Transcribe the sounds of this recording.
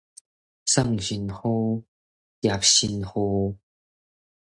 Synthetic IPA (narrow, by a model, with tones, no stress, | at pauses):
sə˥˧˨ŋɕi˨˩nho˦ | jja˨˩p̚ɕi˧nho˧